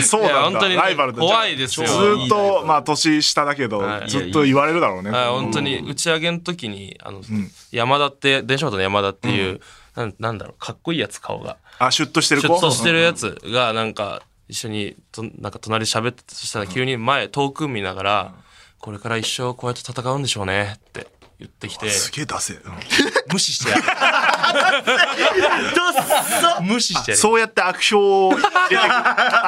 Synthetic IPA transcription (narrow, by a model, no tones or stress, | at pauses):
soːaahõnoɲiɾaibaɾɯ̟tk̪o̞βaid̪e̞sɨ̥jozɨːt̪ːomaːt̪o̞ɕiɕi̥t̪ad̪ake̞d̪oaḭzɨːoiβaɾe̞ɾɯ̟d̪aɾo̞ːneajhõ̞nt̪o̞ɲ̟iɯ̟t͡ɕiaɡe̞not̪o̞k̬ʲiɲ̟ia̰no̞ | jamad̪at̪ːe̞d̪ẽɕobat̪onojamad̪at̪ːe̞jɯ̟ː | nanãnd̪a̰ɾo̞̰kʰakːo̞iːjat͡sɨ̥kʰa̰o̰ɡa̰aɕɨt̪ːoɕi̥eɾɯɕt̪ːoɕit̪e̞ɾɯ̟jat͡sɨ̰ɡanãŋka̰ | iɕːo̞ɲ̟it̪onã̰ŋkat̪o̞naɾʲiɕabe̞t̪ːe̥t̪ɕi̥t̪aɾakʲɨːɲ̟imae̞t̪o̞ːkɯ̟̃mʲːinaɡaɾako̞ɾe̞kaɾaiɕːo̞ko̞ːjat̪ːet̪at̪akaɯ̟̃nd̪e̞ɕo̞ːne̞t̪ːe̞̰ | jɯ̰t̪ːe̞kʲi̥t̪e̞ɨ̥ɡeːd̪ase | mɯ̟ɕi̥ɕi̥t̪e | d̪o | mɯ̟ɕiɕit̪eso̞ːjat̪ːe̞akɯ̟̥ɕoː